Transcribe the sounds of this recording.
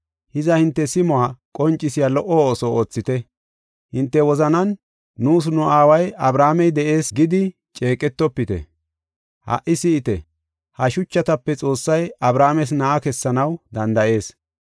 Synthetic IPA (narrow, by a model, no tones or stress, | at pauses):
hɪzɐhɪnt̪ːɛsɪmɔaːkʼɔnt͡ʃʼːɪsɪjalɔʔɔoːsɔoːt͡sːɪt̪ɛ | hɪnt̪ːɛwɔzɐnɐnː | uːs̬nʊaːwɐjɐbɾaːmɛjd̪ɛʔe̞ːsɡɪd̪ɪ | t͡ʃʼe̞ːkʼɛt̪ːɔpːɪt̪ɛ̰ | hɐ̰ʔɪsɪɪt̪ɛ | hɐʃʊt͡ʃːɐt̪ɐpːɛt͡sʼo̞ːsːɐjɐbɾaːmɛs̬nɐʔakɛsːɐnɐwd̪ɐnd̪ɐʔe̞ːs